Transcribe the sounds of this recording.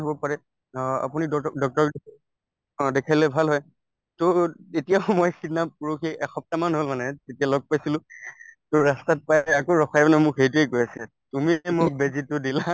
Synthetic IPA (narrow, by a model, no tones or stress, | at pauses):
ɦobɔpaɹɛ | a̰puniddɔk̚tɔɹk | ɔ̃dekʰalɛbʱalɦɔj | toetijaʊmojsinapuɹoxiʔɛxɔp̚tamanɦolmanɛtetijalɔɡ̚pajsilʊ̃tʊɹɹastat̚pajakoɹɔxʰajanɛmʊkeit̬uekojasia | tumimʊk̚bezitʊdila